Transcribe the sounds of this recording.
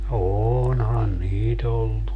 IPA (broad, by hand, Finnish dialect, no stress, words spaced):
oːonhɑn niːt olːu